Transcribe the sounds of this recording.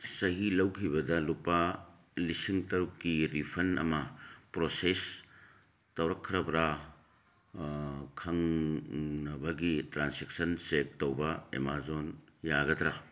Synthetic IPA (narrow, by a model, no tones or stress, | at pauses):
sɐɦilɐwkʰibɐdɐlupa | lisiŋtɐɾkːiɾipʰɐnɐ̰mɐpɾoses | tɐwɾɐkʰːɾɐbɾa | kʰɐŋ | nɐbɐɡitɾansek̚sɐnsek̚tɐwbɐḛmazonjaɡɐdɾa